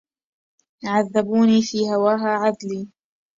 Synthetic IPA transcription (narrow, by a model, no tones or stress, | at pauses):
jʕaðːabuːniːfiːhawaːɦaːʕad̪liː